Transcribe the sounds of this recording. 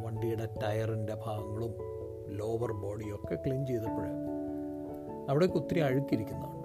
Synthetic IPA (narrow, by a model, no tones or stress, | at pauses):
ʋɐɳɖijuɽetɐjɐrinde̞bʱaːɡɐŋːɐɭum | lo̞ːʋɐrbo̞ːɽijo̞kːekɭint͡ɕejt̪ɐpːeɻe | ɐʋiɽekut̪ːɾiɐɻukːiɾikʲːunːɐðaːɳ